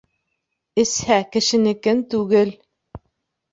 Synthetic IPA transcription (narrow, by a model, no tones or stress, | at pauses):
ɘ̆shækɘ̆ʃɘ̆nɘ̆kɘnt̪ʉɡɘl